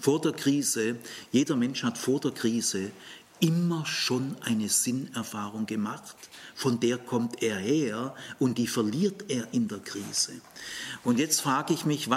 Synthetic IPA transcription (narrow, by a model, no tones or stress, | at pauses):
foːɐdeːɐkʁ̥iːzəjeːdɐmɛnʃhatfoːɐdeːɐkʁ̥iːzə | ʔɪmɐʃoːnʔaɪnəz̥ɪnɛɐfaːʁʊŋɡ̥əmaχtfɔndeːɐkʰɔmtʔeːɐheːɐʔʊnt̚d̥iːfɛɐliːɐteːɐʔɪndeːɐkʁ̥iːz̥əʔʊntjɛt͡stfʁ̥aːɡəɪçmɪçva